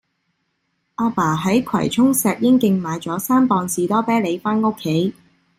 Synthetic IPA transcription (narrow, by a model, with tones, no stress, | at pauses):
ʔaː˧paː˨˩ɦɐ˨˥jkʰwɐ̰˨˩jt͡ʃʰʊ˥ŋsɛː˨k̚jɪ˥ŋkɪ˧ŋmaː˨˧jt͡sɔː˨˥saː˥npɔː˧nsiː˨˧t̪ɔː˥pɛː˥le˨˧jfaː˥nʊ˥kʰːe˨˥j